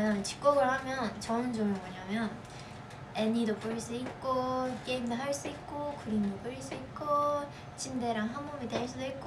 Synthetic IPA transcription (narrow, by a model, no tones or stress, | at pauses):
jʌnt͡ɕi̥k̚k͈ʌɡɯɭhamjʌnt͡ɕʌnd͡ʑomɯmʌɲamjʌn | eɲidop͈ɯɾiɭs͈uik̚k͈ok͈eimdoɦaɭs͈uik̚k͈okuɾimdop͈ɯɾiɭs͈uit̚k͈o | t͡ɕʰimde̞ɾaŋɦambʌbideɭs͈udoik̚k͈o